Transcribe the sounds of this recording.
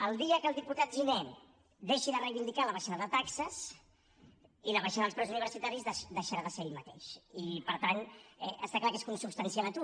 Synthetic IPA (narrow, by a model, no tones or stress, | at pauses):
əlˠd̪iəkəlˠd̪iput̪at̪̚ʒinɛ | d̪eʃiðərəjβind̪ikaləβəʒinəðət̪aksəs | iləβəʒinəðəlˠspɾɛzuniβ̞əɾsit̪aɾizðəd̪əʃəɾaðəseɾeʎmət̪ḛʃipəɾt̪anɛʔə̰st̪aklakeskunsupst̪ənsialət̪u